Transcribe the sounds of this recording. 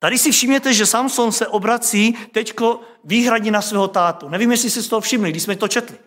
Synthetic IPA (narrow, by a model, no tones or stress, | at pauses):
t̪adɪsɪfʃɪmɲɛt̪ɛʒɛsamsonsɛʔobɾat͡siːt̪ɛcko̞ | viːɦɾaɲɛnasvɛːɦot̪aːt̪unɛviːmjɛslɪsist̪oɦofʃɪmlɪɡdɪʃsmɛt̪ot͡ʃɛt̪lɪ